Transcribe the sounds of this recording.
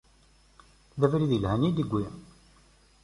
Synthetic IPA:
ðævɾiðilhænid̪əɡʷːi

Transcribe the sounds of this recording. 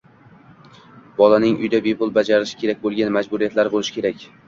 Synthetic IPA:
bɒlanɪŋʔʊ̰jd̪abe̞pʊlˠbad͡ʒaɾɪʃɪ̥kʲʰe̞ɾak̚ʲbolˠɡʲanmad͡ʒbʊɾijat̪laɾbolɪʃɪ̥kʲʰe̞ɾakʲ

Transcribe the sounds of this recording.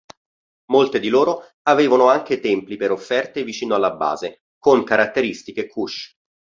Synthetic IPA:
molt̪ed̪iloːɾo | aveːvanoaŋk̟et̪ɛmplipeɾofːɛrt̪evit͡ʃiːnoalːabːa̰ːze | koŋkaɾat̪ːeɾist̪ikekʰːuʃ

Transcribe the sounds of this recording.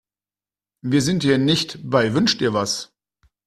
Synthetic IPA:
viːɐzɪntiːnɪçtbaɪvʏnʃtʔiːɐvas

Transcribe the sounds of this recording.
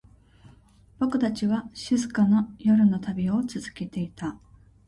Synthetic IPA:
b̥o̞kɯ̟t̪at͡ɕiβaɕɨzɨkano̞jo̞ɾɯ̟no̞t̪abʲio̞t͡sɨzɨke̞t̪e̞it̪a

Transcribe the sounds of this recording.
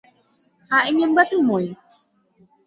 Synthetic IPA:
haeɲəmbat̪umoj

